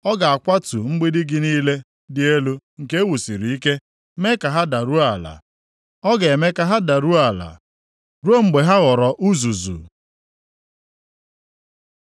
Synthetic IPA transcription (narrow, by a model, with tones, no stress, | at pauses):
ɔ˦ɡa˨a˨kʷa˦tu˨ŋ͡m̩˦ɡ͡bi˦dɪ˦ɡɪ˦niː˦le˦ | dɪ˦e˦lu˦ŋ̩˨ke˦wu˨si˨ɾi˨i˦ke˦ | me˦ka˨ɦa˦da˨ɾu˦a˨la̰˨ | ɔ˦ɡa˨e˨me˦ka˨ɦa˦da˨ɾu˦a˨la̰˨ | ɾu˦o˦ŋ͡m̩˨ɡ͡be˨ɦa˦ɣɔ˨ɾɔ˨ʔu˦zu˨zṵ˨